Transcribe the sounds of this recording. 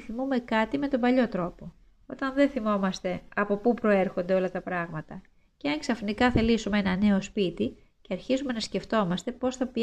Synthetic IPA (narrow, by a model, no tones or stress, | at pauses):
θimume̞kɐt̪ime̞t̪o̞mbɐʎo̞t̪ɾo̞po̞ | o̞t̪ɐnðeθimo̞mɐst̪e̞ɐpo̞pupɾo̞eɾxo̞nd̪e̞o̞lɐt̪ɐpɾɐɣmɐt̪ɐ | ceɐŋksɐfnikɐθelisumee̞nɐne̞o̞spit̪i | ceɐɾçizume̞nɐsce̞ft̪o̞mɐst̪e̞po̞sθɐpi